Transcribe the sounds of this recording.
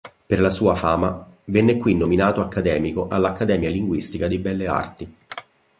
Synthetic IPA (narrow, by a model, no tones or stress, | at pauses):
perlasuːafaːmavɛnːekwinːominaːt̪oakːad̪ɛːmikoʔalːakːad̪ɛːmjaliŋɡwist̪ikad̪ibɛlːea̰rt̪i